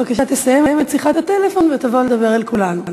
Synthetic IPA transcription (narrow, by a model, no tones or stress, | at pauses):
akaʃat̪esajemejemetsiχat̪at̪elefo̞nvet̪avoled̪abe̞ʁalkulanu